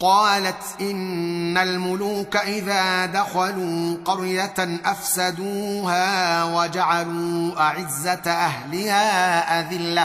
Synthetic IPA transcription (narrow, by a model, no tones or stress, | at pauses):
qɑːlat̪ʔɪnːalmʊluːkaʔɪðaːd̪axaluːqɑɾjat̪ʔafsad̪uːhaːwad͡ʒaʕaluːʔaʕɪzːat̪ʔaɦhlɪhaːʔaðɪlːa